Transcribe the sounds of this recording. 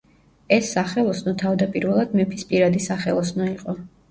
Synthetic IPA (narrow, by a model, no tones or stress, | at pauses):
ɛsːaχɛlˠɔsnɔt̪ʰavd̪apʼiɾvɛlˠad̪mɛpʰispʼiɾad̪isaχɛlˠɔsnɔiqʼɔ